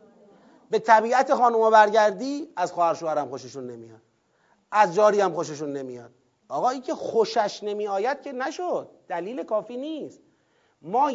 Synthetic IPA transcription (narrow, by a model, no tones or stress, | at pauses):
be̞t̪ʰæbiːæt̪ʰexɒːnumobæɾɟæɾd̪iːæzxɒːhæɾʃoːæɾæmxo̞ʃeʃunːe̞mḭjɒ̰d̪̥ | æzd͡ʒɒːɾiːæmxoʃ̬eʃ̬unːe̞mijɒːd̪̥̚ | ɒːɣɒːiːŋcʰexoʃæʃne̞miːɒːjæd̪̥̚cʰe̞næʃod̪̚ːæliːle̞kʰɒːfiːniːst̪ | mɒː